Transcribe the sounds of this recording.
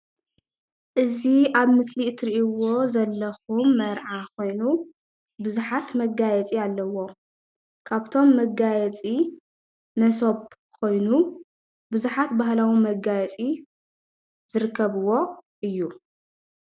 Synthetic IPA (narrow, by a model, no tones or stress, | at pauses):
ʔɨziaβmɨsliɨt̪ʰɨɾiʔiwo̞zɐlːɐxumːɐɾʕakʰo̞jnu | bɨzuħat̪mɐɡajɛt͡sʼialːɐwo̞ | kʰaβt̪ʰo̞mːɐɡajɛt͡sʼi | nɐso̞b | kʰo̞jnu | bɨzuħat̪baɦlawimɐɡajɛt͡sʼi | zɨɾɨkːɐβɨwo̞ʔɨjːu